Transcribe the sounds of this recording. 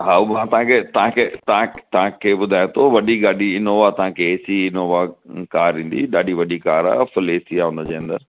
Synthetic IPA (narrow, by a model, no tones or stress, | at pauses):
ɦaːumãt̪ɐãkʰeːt̪ɐɦãkʰeːt̪ɐãt̪ɐãkʰeːɓʊd̪ʱaːj̃t̪ʰoʋɐɗiɡaːɗiɪnoːʋat̪ɐɦãkʰeːsiɪnoːʋakaːɾĩːn̆d̪ḭɗaːɗʱiʋɐɗikaːɾa̰ːfɪleːsiaːɦũnd̪ə̃d͡ʑeːɐ̃nd̪əɾ